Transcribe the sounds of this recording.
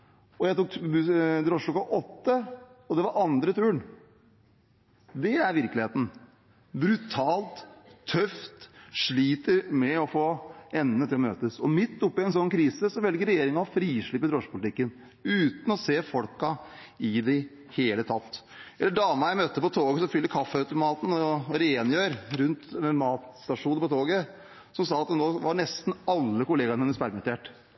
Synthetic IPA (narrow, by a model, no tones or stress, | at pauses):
ɔjæɪt̪uːkd̪ɾɔʂklɔkɑʔɔt̪ːəɔd̪ɛʋɑɾʔɑnd̪ɾət̪ʰʉːən | d̪ɛæɾʋɪɾkəlɪheːt̪n̩ | bɾʉt̪ʰɑːlt̪ʰːœft̪ʂɭiːt̪əɾmɛɔfoːɛnːət̪ʰɪlɔmøːt̪əsɔmɪt̪ːʊpːɪɛnsɔnːkʰɾiːsəsɔʋɛlɡəɾɛjeːɾɪŋɑɔfɾiːʂɭypːəd̪ɾɔʂpʊlɪt̪ɪkːən | ʉːt̪n̩ɔseːfɔlkɑɪd̪ɪ | heːlət̪ʰɑt̪ː | ʔɛlːəɖɑːmɑjæɪmœt̪ːəpɔt̪ʰoːɡəsɔfʏlːəɾkʰɑfːəɑʉt̪ʊmɑːt̪n̩ɔɾɛeːnjøːɾɾʉnt̪ɛmɑːt̪st̪ɑʂuːnəɾpɔt̪ʰoːɡə | sɔmsɑːɑt̪̚d̪ɛnoːʋɑɳɛst̪n̩ɑlːəkʊleːɡɑnənəspæɾmət̪eːʈ